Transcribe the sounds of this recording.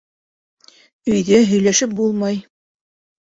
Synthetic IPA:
ɵ̆jðæɦɵ̆jlæʃɘp̚bulˠmɑj

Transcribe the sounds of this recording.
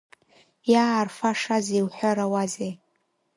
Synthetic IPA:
jaːrfaʂazewħʷᶣaɾawazej

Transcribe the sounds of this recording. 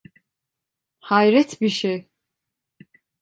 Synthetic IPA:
hajɾɛt̪ʰbiʃɛ

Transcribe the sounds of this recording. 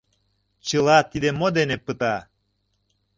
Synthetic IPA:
t͡ɕəlɑt̪id̪emod̪enepət̪ɑ

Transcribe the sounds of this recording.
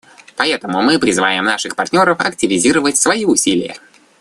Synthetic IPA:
pɐɛt̪əmʊmɨpɾʲɪzɨvajɪmnaʂɨxpɐrtʲnʲo̞ɾəfɐ̰ktʲɪvʲɪzʲiɾəvətʲsvɐiʊsʲilʲɪjə̰

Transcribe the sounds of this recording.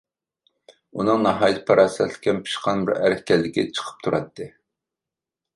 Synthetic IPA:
unɨŋnɑɦɑːjt̪ʰpʰɑɾɑːsɛt̪lɪ̥kʲɛnpʰi̥ʃqʰɑnbɪɾæ̰ɾhʲkʲʰɛlːɪkʲɛt͡ʃʰə̥qʰə̥p̚t̪ʰuɾɑ̰t̪ːɨ

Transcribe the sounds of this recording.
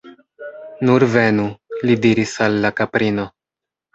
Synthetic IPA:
nuɾve̞nulidiɾisalːakapɾino̞

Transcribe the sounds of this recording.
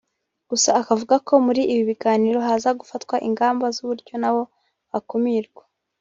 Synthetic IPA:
ɡ̥usaːkavuɡako̞muɾiʔːβiβiɡaːniɾo̞ɦazaɡufatkwaʔiŋɡaːmbazuβuɾɟo̞naβo̞ | βakomiɾɡwḁ

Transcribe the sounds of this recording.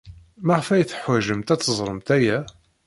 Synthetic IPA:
maʁəfæjθħwæʒəmt̪æt͡sːəzˤɾˤəmt̪æjæ

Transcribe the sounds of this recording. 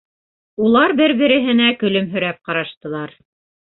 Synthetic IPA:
ulˠɑɾbɘɾbɘ̆ɾɘ̆ɦɘ̆nækɵ̆lɵmɦɵ̆ɾæp̚qɑɾɑʃt̪ɤ̆lˠɑɾ

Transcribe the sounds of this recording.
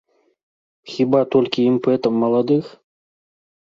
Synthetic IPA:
xʲibat̪olʲkʲiimpɛt̪əmːɐlˠad̪ɨx

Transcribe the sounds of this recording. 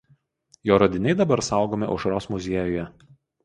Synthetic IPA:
joːɾɐd̪ʲɪnʲɛɪd̪ɐbɐɾsɑˑʊɡoːmʲɪʔʊʃɾoːsmʊzʲiɛjoːjɛ

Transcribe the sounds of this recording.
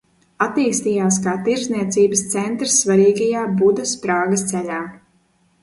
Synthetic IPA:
at̪iːst̪iːjaːskaːt̪iɾzniɛt̪siːbɐst̪sɛnt̪ɾɨsːvaɾiːɡajaːbud̪ɐspɾaːɡɐst̪sɛʎaː

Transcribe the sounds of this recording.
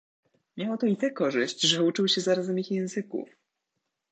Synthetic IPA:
mʲjawɔt̪ɔit̪ɛkɔʐɘɕt͡ɕʐɛut͡ʂɘwɕɛzaɾazɛmixjɛ̃w̃zɘkṵf

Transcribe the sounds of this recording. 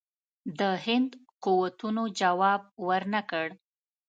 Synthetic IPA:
d̪əhɪnd̪quwat̪unod͡ʒawɑb̚wəɾnakəɽ

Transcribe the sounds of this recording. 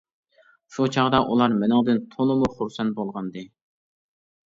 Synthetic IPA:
ʃut͡ʃʰɑʁd̪ɑʔulˠɑɾmɪnɪŋd̪ɨnt̪ʰolˠɨmuχuɾsɛnt̪̚bolˠʁɑnd̪ɨ

